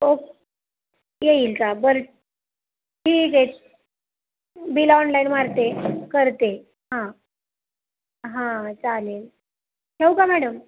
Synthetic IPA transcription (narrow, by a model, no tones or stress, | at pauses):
ok | jeiːlkabəɾʈ̚ | ʈʰiːket̪ | bilɔnlainmaɾt̪ekəɾt̪e | ɦã | ɦãt͡saleːl | hewkamæɽəm